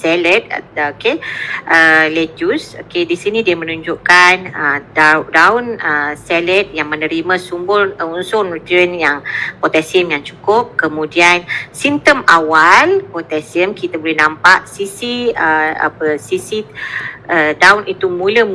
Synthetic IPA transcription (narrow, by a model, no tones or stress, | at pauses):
sɛlət̪̚okeʔəled͡ʒuso̰kedisinĩdiəmə̃nuɲd͡ʒuʔkanədadawnəsɛlət̪̚jaŋmə̃nəɾimãsumbʊrunsʊnrut̪iənjaŋpot̪ɛsiəmjaŋt͡ʃu̥kʊp̚kəmũdiansint̪əmawalpot̪ɛsiəmkit̪abolɛhnãmpaʔsisiəa̰pəsisi | ədawnit̪umũlə